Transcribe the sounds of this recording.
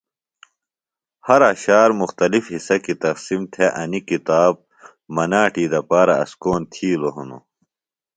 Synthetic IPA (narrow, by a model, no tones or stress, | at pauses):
hɐɾaːɕaːɾmuxt̪ɐlifhisɐkit̪ɐqsimt̪ʰeʔɐnikit̪aːb̚ | mɐnaːʈiːd̪ɐpaːɾɐɐ̰skoːnt̪ʰiːloɦunṵ